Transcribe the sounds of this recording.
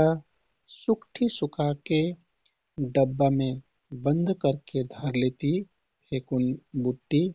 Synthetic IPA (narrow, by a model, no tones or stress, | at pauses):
a | sʊkʈʰisʊkʰake | ɖəbːamẽ | bə̃nd̪ʱkəɾked̪ʱəɾlet̪i | pʰekunbuʈːi